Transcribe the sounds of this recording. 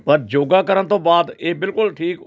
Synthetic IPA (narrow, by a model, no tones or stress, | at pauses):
pəɾd͡ʒoːɡaːkəɾənt̪õːbaːd̪eːbɪlkʊlʈʰiːk